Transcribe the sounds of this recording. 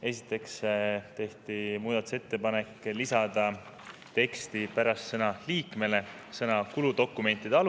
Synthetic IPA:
e̞sit̪ːˑe̞kst̪e̞ht̪imuːd̪ɑt̪u̥se̞t̪ːe̞pɑne̞kːˑlisɑd̪̥ɑ | t̪e̞kst̪ipæɾɑst̪sɤnɑliːkˑme̞le̞ | sɤnɑkulud̪o̞kːˑume̞nt̪ːˑid̪̥eɑl

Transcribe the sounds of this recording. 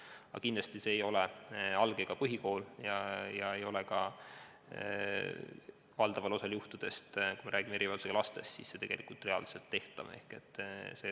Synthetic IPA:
ɑ̰kind̪lɑst̪iseːjo̞leɑlɡ̥eɡ̥ɑpɤɦiko̞ːljɑjɑe̞jo̞lekɑ | vɑld̪ɑvɑlo̞sɑljuht̪ud̪̥e̞st̪kujmeɾʔæːɡ̥imeeɾivɑlseɡɑlɑst̪e̞st̪sisse̞t̪e̞ɡ̥e̞lʔikult̪ːˑre̞ɑ̰lse̞lt̪ːe̞ht̪ɑme̞̰hke̞̰t̪ːˑse

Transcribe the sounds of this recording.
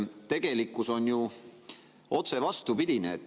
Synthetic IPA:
t̪e̞ɡ̥e̞likːˑuso̞nju | o̞t̪se̞vɑst̪upid̪̥ineːt̪ː

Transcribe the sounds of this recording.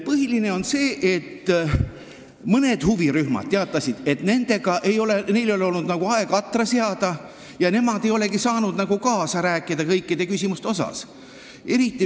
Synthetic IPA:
pɤɦiline̞o̞nse̞ːʔet̪ː | mɤne̞d̪̥huviɾyhmɑ̰d̪̥̚t̪eɑt̪ˑːɑsid̪̥e̞t̪ne̞nd̪̥e̞ɡ̥ɑʔejo̞lene̞jleoleo̞lnud̪nɑɡ̥uɑe̞ɡ̥ɑt̪ːˑrɑseɑd̪̥ɑ | jɑne̞mɑd̪e̞jo̞leɡisɑːnud̪̥nɑɡ̥ukɑːsɑɾæːkːˑid̪̥ɑkɤjkːˑid̪e̞kysʲimust̪eo̞sɑ̰s | e̞ɾit̪ːˑi

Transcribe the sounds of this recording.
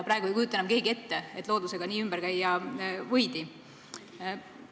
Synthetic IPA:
pɾɑˑeɡuekujut̪ːˑenɑmke̞ːɡie̞t̪ːee̞t̪ːˑlo̞ːd̪use̞ɡ̥ɑniːymbəɾkæjːɑvɤjd̪̥i

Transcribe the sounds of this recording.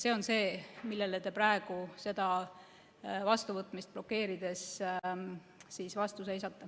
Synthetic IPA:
se̞ːo̞nse̞ːmilːe̞let̪e̞præe̞ɡ̥use̞d̪̥ɑ | vɑst̪uvɤt̪ːˑmist̪̚blo̞kːe̞ːɾid̪̥e̞s | sisvɑst̪use̞jsɑt̪ːˑɑ

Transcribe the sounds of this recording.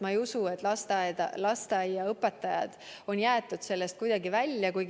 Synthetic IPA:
mɑejusue̞t̪ːˑlɑst̪ɑd̪ɑ̰lɑst̪ɑjɑɤpːˑe̞t̪ˑːɑjɑ̰d̪̥o̞njæːt̪ːˑud̪̥se̞lːe̞st̪̚kujd̪̥ɑɡivælʲːjɑkuj

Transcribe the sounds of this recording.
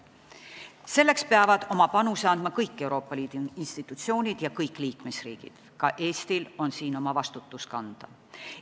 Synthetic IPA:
se̞lːe̞kspeɑvɑd̪̥o̞mɑpɑnuseɑnd̪mɑkɤjkːe̞wɾo̞ːpːˑɑliːd̪̥uinst̪it̪ːˑut̪sio̞ːnʲid̪̥jɑkɤjkːˑliːkmesrḭːɡ̥ḭd̪̥ | kɑʔe̞ːst̪ilo̞nsiːno̞mɑvɑst̪ut̪ːˑuskɑnd̪̥ɑ

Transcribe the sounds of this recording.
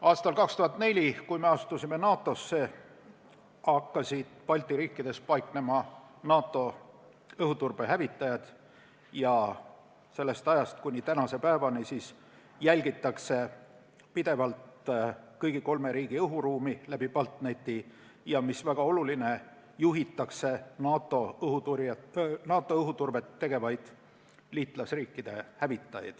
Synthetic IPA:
ɑːst̪ɑlkɑkst̪uhɑt̪ːˑne̞lʲikujme̞ɑst̪usime̞nɑːt̪ːˑo̞sːe̞ | ɑkːɑsʲid̪̥pɑlʲt̪ːˑiɾiːkːid̪̥e̞spɑjkne̞mɑ | nɑːt̪ːˑo̞ | ɤɦut̪urb̥eɦævit̪ːˑɑjɑd̪̥ | jɑ | se̞lːe̞st̪ɑjɑst̪̚kunʲit̪ænɑse̞pæeːvɑnisiːs | jælʲɡit̪ːˑɑkse̞ | pid̪̥e̞vɑlt̪kɤjɡ̥iko̞lme̞ɾiːɡ̥iɤɦuɾuːmilæb̥ipɑlt̪net̪ːi | jɑmisvæɡ̥ɑo̞luline̞ | juɦit̪ːˑɑkse̞nɑːt̪ːˑo̞ɦut̪uɾnɑːt̪ːˑo̞ɤɦut̪urbe̞t̪ːe̞ɡ̥e̞vɑjd̪̥ | liːt̪ˑlɑsriːkːˑid̪̥e̞hævit̪ːˑɑjɑ̰d̪̥

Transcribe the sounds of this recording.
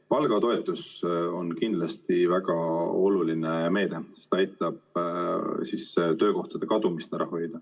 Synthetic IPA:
pɑlɡɑt̪o̞e̞t̪ːˑuso̞nkind̪lɑst̪ivæɡ̥ɑo̞lulineme̞ːd̪̥e̞sest̪ɑjt̪ːˑɑb̥̚ | sist̪ø̞ːko̞ht̪ɑd̪̥e̞kɑd̪umist̪æɾɑ̰ho̞jd̪ɑ

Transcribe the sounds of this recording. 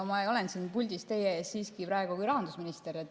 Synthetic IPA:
omɑejo̞lensiːnpulʲd̪ist̪e̞jeɑsiːskipɾɑeɡ̥ukujɾɑɦɑnd̪̥usminist̪eɾet̪ːˑ

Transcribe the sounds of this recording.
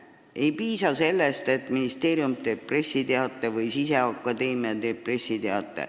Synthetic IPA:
e̞jpiːsɑse̞lːest̪e̞t̪ːˑminist̪e̞ːɾiumt̪eːp̚pːre̞sʲːit̪eɑt̪ːˑevɯjsise̞ɑkːˑɑd̪e̞ːmiɑd̪eːppre̞sʲːit̪eɑt̪ːˑḛ

